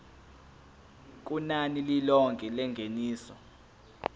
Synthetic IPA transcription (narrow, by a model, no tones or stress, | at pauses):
k̬ʼunanililɔŋɡʱʼilɛŋɡʱeniːsɔ